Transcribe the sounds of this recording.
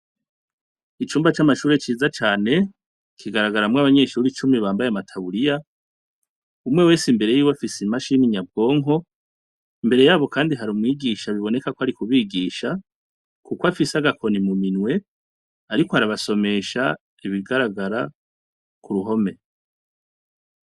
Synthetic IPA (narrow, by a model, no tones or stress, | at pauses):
it͡ʃuːmbat͡ʃamaʃuːɾet͡ʃiːzat͡ʃaːne̞ | kʰiɡaɾaɡaɾamŋaβaɲe̞ːʃuɾit͡ʃumiβaːmbajeamatʰaβuɾija | umŋe̞we̞ːsimbe̞ɾe̞jiːwafisimaʃiːniɲab̚ɡo̞ːŋɦo̞ | imbe̞ɾe̞jaːβo̞kʰaːndiɦaɾuːmwiːɡiʃaβiβo̞ne̞kakoaɾikuβiːɡiːʃa | kukwafisaɡakʰo̞nimuminwe̞ | aɾikohaɾaβaso̞me̞ʃa | iβiɡaɾaɡaɾa | kuɾuɦo̞me̞